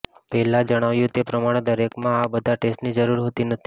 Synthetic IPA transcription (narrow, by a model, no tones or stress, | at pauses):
pɛɦlad͡ʒəɽ̃aʋjũt̪epɾəmaɽ̃ed̪əɾekmãabəd̪ʱaʈesʈnid͡ʒəɾuɾɦot̪inət̪ʰi